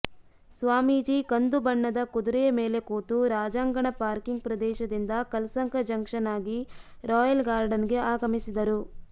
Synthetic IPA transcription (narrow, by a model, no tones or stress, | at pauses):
sʋaːmiːd͡ʒiːkɐnd̪ubɐɳːɐd̪ɐkud̪uɾɛjɐmeːle̞koːt̪uɾaːd͡ʒaːŋɡɐɳɐpaːɾkiŋɡ̚pɾɐd̪ɛːʃɐd̪ind̪ɐkɐlsɐŋkɐd͡ʒɐŋkʂɐnaːɡi | ɾɔːjɐlɡaːɾɖɐniɡe̞aːɡɐmisid̪ɐɾu